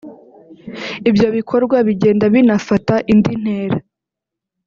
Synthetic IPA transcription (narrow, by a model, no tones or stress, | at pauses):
ibjo̞βikʰo̞ɾɡwaβiɟeːndaβinafataʔindin̥heːɾa